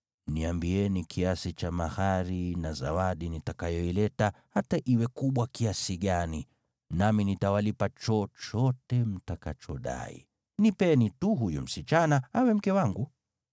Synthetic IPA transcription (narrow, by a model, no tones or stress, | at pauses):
niambiɛnikʰiasit͡ʃamahaɾinaza̰waɗinitakajɔilɛtahataʔiwɛkuɓwakiasiɠani | naminitawalipat͡ʃɔt͡ʃɔtɛm̩takat͡ʃɔɗa̰ḭ | nipɛnituɦujṵm̩sit͡ʃanaawɛm̩kɛwaŋɡu